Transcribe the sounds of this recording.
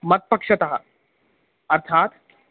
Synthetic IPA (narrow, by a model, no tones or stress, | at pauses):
mət̪̚pəkʂət̪aɦa̰ | əɾt̪ʰat̪